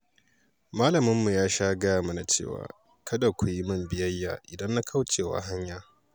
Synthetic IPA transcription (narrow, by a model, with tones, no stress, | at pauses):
maː˦lɐ˨mɪ˦mːu˨jaː˦ʃaː˦ɡɐ˦jaː˨mɐ˦na˨t͡ʃḛː˦˨wa̰ː˨ | kʰɐ˦da˨kʷu˨ji˦mɐ˦mbɪ˦jɐ˦jːa̰ː˨ʔɪ˨dɐ˦nːa˦kʰa˦wt͡ʃeː˨wa̰˨ɦa˦ɲjaː˨